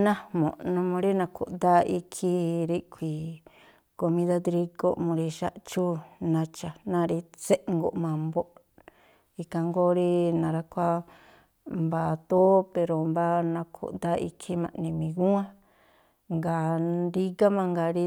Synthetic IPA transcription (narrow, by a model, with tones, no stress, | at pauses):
nã˦mõ̰˨ʔnũ˧mũ˧ɾi˦nã˧kṵ˨ʔnd̪a˦i˧kʰi˦ɾi˦kʷi˨ | ko˧mĩ˧ða˦d̪ɾi˧ɡo˦ʔmũ˧ɾi˧ʃa˦ʔt͡ʃu˦nã˧t͡ʃa˨nã˦˧ɾi˧t͡se˦ʔŋɡo˨ʔmã˨mbo˦ʔ | i˧kã˧ŋɡo˦ɾi˦nã˨ɾa˧kʷa˦ | mba˧t̪o˦pe˧ɾo˨mba˦nã˧kʰṵ˨ʔnd̪a˦ḭ˧kʰi˦mã̰˧˨nĩ˧mĩ˨ɣũ˦ã˦ | ŋɡa˨ɾi˧ɣa˦mã˧ŋɡa˨ɾi˧